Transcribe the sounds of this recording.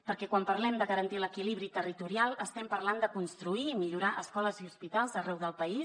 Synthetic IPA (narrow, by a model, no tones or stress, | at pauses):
pəɾkɛkwampəɾlɛmd̪əɣəɾənt̪iləkiliβɾit̪ərit̪uɾialˠəst̪ɛmpəɾland̪əkunst̪ɾuiːmiʎuɾaʔəskɔləziuspit̪alˠzərɛwðəlˠpəis